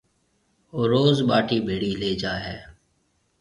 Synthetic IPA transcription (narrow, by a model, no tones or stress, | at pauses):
oːɾoːzɓaːʈʰiːbʱeːɽiːleːd͡ʒaːɦɛː